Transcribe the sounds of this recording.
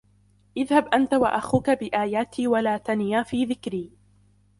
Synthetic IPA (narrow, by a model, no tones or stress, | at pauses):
ʔɪðhabʔant̪awa̰ʔaxuːkabɪʔaːjaːt̪ʰiːwalaːt̪anjaːfiːðɪkɾiː